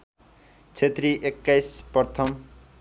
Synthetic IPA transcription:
t͡sʰet̪riʔekːajspʌrt̪ʰʌm

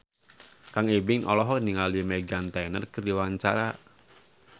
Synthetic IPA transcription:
kaŋebɪŋʔɔlɔɦɔniŋaliəmɛɡant̪anərkərdiwaɲt͡ʃa̰ɾa

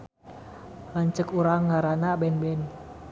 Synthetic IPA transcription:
laɲt͡ʃəkuɾaŋːaɾanabɛnbɛn

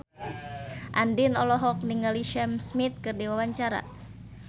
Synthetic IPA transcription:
ʔandinɔlɔɦɔk̚niŋaliʃɛmsmit̪̚kɨrdiwawaɲt͡ʃaɾa̰

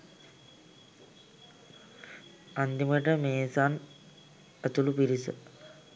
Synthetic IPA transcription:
and̪iməʈəmeːsaːn | et̪ulupiɾisə̰

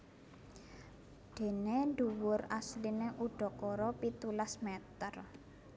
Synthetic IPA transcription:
ɖ̪̥e̤nend̪uwʊɾaslineʔuɖ̥ɔ̤kɔɾɔpit̪ulasmɛt̪ər

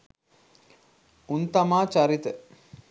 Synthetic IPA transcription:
unt̪ɐmaːt͡ʃaɾit̪ə

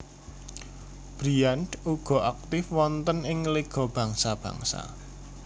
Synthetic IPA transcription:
b̥ɾianɖuɡ̥ɔ̤ʔak̚t̪ɪfwɔnt̪ənɪŋleɡ̥ɔ̤b̥ä̤ŋsab̥ä̤̰ŋsa̰

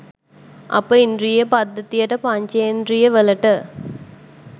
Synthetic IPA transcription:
ɐ̰pəind̪ɾijepɐd̪ːɐt̪ijɐʈəpɐɲt͡ʃɐjnd̪ɾijɐʋəlɐʈə

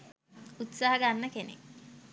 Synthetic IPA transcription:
ut̪saːɦəɡanːəkenḛ

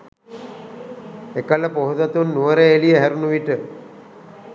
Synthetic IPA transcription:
ekələpoɦud̪at̪unːuʋəɾeelijəɦæɾunuʋiʈə

